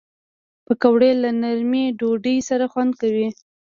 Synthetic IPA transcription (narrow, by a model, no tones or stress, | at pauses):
pəkawɽelanaɾmiɖoɖəjsaɾaxwand̪̚kawi